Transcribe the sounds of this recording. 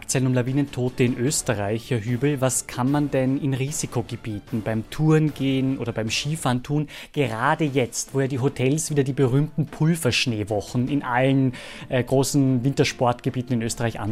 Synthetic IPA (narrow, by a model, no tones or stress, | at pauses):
kt͡sɛlənʊmlaviːnəntʰoːtəɪnʔøːstəʁaɪçɐɦyːbl̩vaskʰanmandɛnɪnʁiːzikʰoɡəbiːtn̩baɪmtʰuɐnɡeːnʔoːdɐbaɪmʃiːfaːɐntʰuːnɡ̥əʁaːdəjɛt͡stv̥oːjaːdiːɦotʰɛlsv̥iːdɐdiːbəʁyːmtn̩pʰʊlfɐʃneːvɔχn̩ɪnʔalən | ʔɛɡ̥ʁoːsn̩vɪntɐʃpɔɐtɡ̥əbiːtn̩ɪnʔøːstəʁaɪçʔa̰n